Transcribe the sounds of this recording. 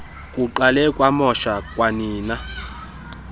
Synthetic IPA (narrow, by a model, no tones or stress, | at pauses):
kʼuǃalɛkʼwamɔʃakʼwaniːna